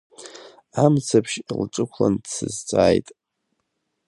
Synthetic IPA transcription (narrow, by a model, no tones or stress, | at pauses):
amt͡sʰapʰʃlʈ͡ʂʷʼɨkʷʰlandsɨzt͡sʷʼaːjtʼ